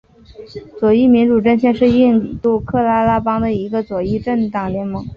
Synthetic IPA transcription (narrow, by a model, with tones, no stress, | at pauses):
t͡swɔ˨˩i˥˩mi˧˥nʈ͡ʂu˨˩ʈ͡ʂə˥˧nɕjɛ˥˧nʂɻ̩˥˧i˥˧nt̪u˥˧kʰɤ˥˩la˥la˥pɑ˥ŋd̪ə˨i˧˥ɡə˧t͡swɔ˨˩i˥˧ʈ͡ʂə˥˩nt̪ɑ˨˩ŋljɛ˧˥nmɤ˧˥ŋ